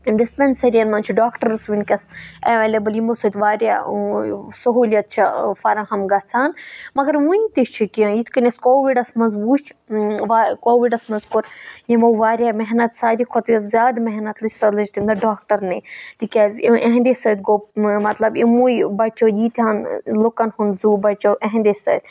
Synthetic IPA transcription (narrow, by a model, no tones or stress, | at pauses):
ɖispʲensɐɾijɐnmɐnt͡ʃʰiɖaːkʈɐɾsʋinʲkʲɐsɐʋeːleːbɐljimosɐt̪ʲʋaːɾʲja̰ː | sɐɦuːlʲjɐt̪̚t͡ʃʰifɐɾɐ̃ɦɐmɡɐt͡sʰaːnmɐɡɐɾʋũnʲt̪iʃt͡ʃʰikiɐ̃jit̪ʰkɐnʲɐskoːʋiɖɐsmɐzbuːt͡ʃʰʋakoːʋiɖɐsmɐzkuɾjimoʋaːɾjaːmɛɦnɐt̪saːɾikʰot̪jɐzʲaːd̪mɛɦnɐt̪lɨt͡ʃsɐɾlɐt͡ʃt̪ʰind̪ɐɖaːk̚ʈɐɾnit̪ikʲaːziʔeɦnd̪esɐːt̪̚ɡoːmɐt̪lɐbimujbɐt͡ʃoːjiːt̪ʰʲaːnlokɐnhunzuːbɐt͡ʃowʔeɦnd̪esɐ̰ːt̪ʲ